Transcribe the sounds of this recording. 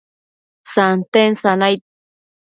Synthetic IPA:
sant̪ensanajt̪̚

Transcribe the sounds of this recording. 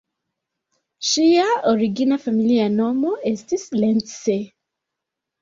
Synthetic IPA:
ʃiaoɹiɡinafamilianomoʔestislɛntse

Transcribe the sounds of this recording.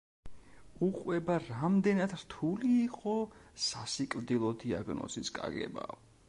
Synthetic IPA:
uqʼwɛbaɾamd̪ɛnad̪ɾt̪ʰuliːqʼɔsasikʼld̪ilˠɔd̪ia̰ɡnɔ̰siskʼa̰ɡɛ̰ba̰

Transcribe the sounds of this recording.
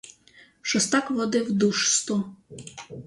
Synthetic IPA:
ʃɔst̪akʋɔd̪ɪwd̪uʃst̪u

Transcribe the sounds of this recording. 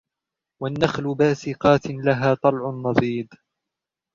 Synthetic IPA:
wanːaxlʊbaːsɪqɑːt̪laɦaːt̪ˤɑlʕʊnːɑðˤiːd̪

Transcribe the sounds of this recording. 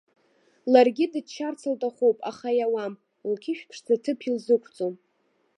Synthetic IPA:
larɡʲidɨdt͡ʃʰart͡sʰaltʼaχowpʼa̰χajawam | lkʲʰiɪʃᶣpʰʂd͡zatʰɨpʰilzɨkʷʰt͡sʼom

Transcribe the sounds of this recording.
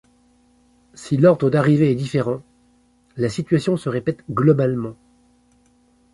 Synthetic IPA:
silɔʁd̪ʁəd̪aʁiveɛd̪ifeʁɑ̃ | lasit̪ɥasjɔ̃səʁepɛt̪ɡlɔbalmɑ̃

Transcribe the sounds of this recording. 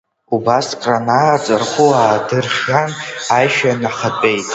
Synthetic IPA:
ubaskʼranaːt͡sʼarχʷuaːdɨrχʲanajʃᶣanaχat͡pʷʼejtʼ

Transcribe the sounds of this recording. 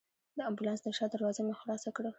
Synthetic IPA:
d̪əambulɑnsd̪əʃɑd̪əɾwɑzəmexʊɾɑsakɽə

